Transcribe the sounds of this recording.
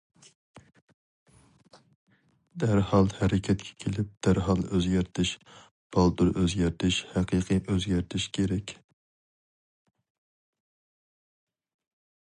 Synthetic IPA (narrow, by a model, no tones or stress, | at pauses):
d̪æɾhɑlˠhæɾɪkʲʰɛt̪kʲʰɛ̥kʲʰelɪp̚d̪̥æɾɦɑlˠʔøzɡʲæɾt̪ʰɪʃ | b̥ɑlˠd̪uɾʔøzɡʲæɾt̪ʰɪʃhæqʰɨqʰɨʔøzɡʲæɾt̪ʰɪʃkʲʰeɾɛkʲ